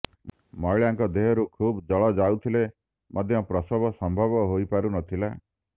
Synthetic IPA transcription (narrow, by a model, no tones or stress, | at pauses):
mɔjɭaŋkɔd̪eɦɔɾukʰubd͡ʒɔɭɔd͡ʒaut̪ʰile | mʔɔd̪ʱjɔpɾɔsɔbɔsɔmbʱɔbɔɦojpaɾunɔt̪ʰila